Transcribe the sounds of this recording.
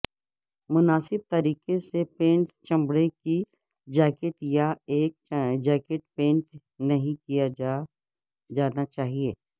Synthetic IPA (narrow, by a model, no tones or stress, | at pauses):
mʊnaːsɪb̚t̪ɐɾiːqesepẽːɳʈt͡ʃɐ̃mbɽeki | d͡ʒɛːkɪʈjaeːk̚d͡ʒɛːkɪʈ̚pẽːɳʈ | nɐɦĩkija | d͡ʒaːnat͡ʃaːɦieː